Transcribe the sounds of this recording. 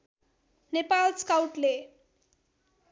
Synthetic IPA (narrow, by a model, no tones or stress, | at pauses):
nepalskawʈle